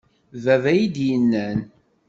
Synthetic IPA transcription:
vævæjid̪jənːæn

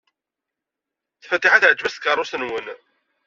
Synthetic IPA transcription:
θfət̪ːiħaθəʕt͡ʃmæst̪kərˤːʊsənwən

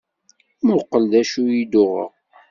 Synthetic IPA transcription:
mʊqːəld̪æʃujid̪ʊʁə̰ʁ

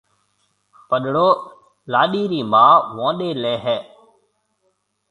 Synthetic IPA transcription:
pəɗɽoː | laːɗiːɾiːmaːʋõːɗeːlɛːɦɛː

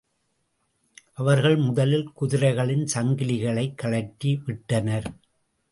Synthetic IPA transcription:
ʔɐʋɐɾɣɐɭmʊðɐlɪlkʊðɪɾɐɪɣɐɭɪnsɐŋɡɪlɪɣɐɭɐɪkːɐɭɐkːiʋɪʈːɐnɐɾ

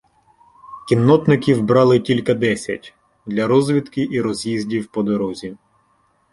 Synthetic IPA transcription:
kʲinːɔt̪nɪkʲiwbɾɑlˠɪtʲilʲkɐd̪ɛsʲɐ̰tʲ | d̪lʲɐɾɔzʲʋʲit̪kɪʔiɾɔzʲjizʲdʲiwpɔd̪ɔɾɔzʲi

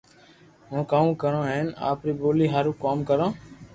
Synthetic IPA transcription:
ɦõːkaːũːkəɾãːɦena̰ːpɾiːɓoːliːɦaɾũːkaːmkəɾãː

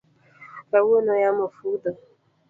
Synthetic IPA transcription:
bawonojamofudə

